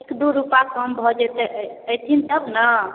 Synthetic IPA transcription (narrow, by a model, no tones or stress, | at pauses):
ekd̪uɾupakəmbʱɔd͡ʒɛt̪ɛʔəəjt̪ʰint̪əbnə